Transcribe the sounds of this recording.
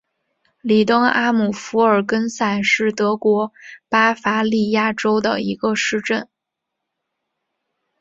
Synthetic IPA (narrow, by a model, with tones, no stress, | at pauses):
li˨˩t̪ɤ˥ŋa˥mu˨˩fu˧˥ə˞˨˩kə˥nsa˥˩nʂɻ̩˥˩t̪ɤ˧˥kwɔ˧˥pa˥fa˧˥li˥˩ja˥˩ʈ͡ʂo˥ʊd̪ə̰˨i˧˥ɡə˧ʂɻ̩˥˧ʈ͡ʂə˥˩n